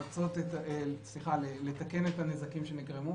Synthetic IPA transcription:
t͡so̞t̪etaesliχalele̞t̪ake̞netanezakimʃe̞niɡʁemu

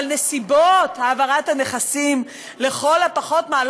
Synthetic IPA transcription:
lne̞sibothaːvaʁathane̞χasim | le̞χo̞lapaχo̞tmaːl

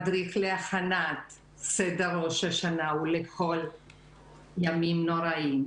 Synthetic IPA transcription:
dʁiχleaχanat | sedaɾo̞ʃaʃanauleχo̞l | jamimno̞ɾaim

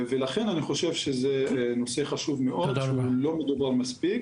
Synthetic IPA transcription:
velaχe̞naniχo̞ʃe̞vʃezeno̞se̞χaʃuvmeʔo̞d̪ʃeulo̞me̞d̪ubaʁmaspik

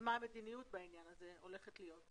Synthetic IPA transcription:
maːmed̪inijut̪̚bainjanaze̞o̞le̞χet̪lijo̞t

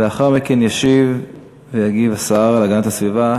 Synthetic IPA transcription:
eaχaʁmikenjaʃiv | vejaɡivasaaʁalaɡanat̪asviva

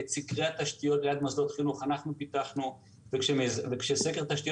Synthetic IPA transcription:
et͡sikʁeat̪aʃt̪ijo̞t̪lead̪mazlo̞t̪χinuχanaχnupit̪aχnu | vekʃemezvekʃesekeʁt̪aʃt̪ijo

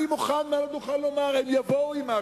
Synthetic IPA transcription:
imuχanmalanuχalːomaʁhemjavouima

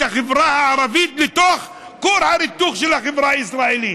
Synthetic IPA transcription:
aχevɾahaːɾavit̪let̪oχ | koɾhaɾit̪uχʃelhaχevɾaaisɾaeli

